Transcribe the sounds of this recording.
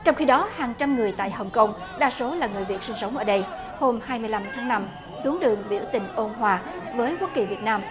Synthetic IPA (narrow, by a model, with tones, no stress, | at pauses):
t͡ɕɔ˧wŋ͡mxi˧ɗɔ˨˦haː˨˩ŋt͡ɕa˧mŋɨ˨˩əjt̪a̰ː˧˨jɦə˨˩wŋ͡mkə˧wŋ͡m | ɗa̰ː˧˩so˨˦laː˨˩ŋɨ˨˩əjvi˨˩ət̚sï˧ŋ̟sə˨˦wŋ͡mʔəː˧˩ɗə˧j | ho˧mhaː˧jmɨ˧əjla˧mt̪ʰaː˨˦ŋna˧m | su˨˦əŋɗɨ˨˩əŋɓḭ˧˩wt̪ï˨˩ŋ̟ʔo˧nɦwaː˧˩ | vəː˨˦jka˦˥t̚ki˨˩vi˨˩ət̚naː˧m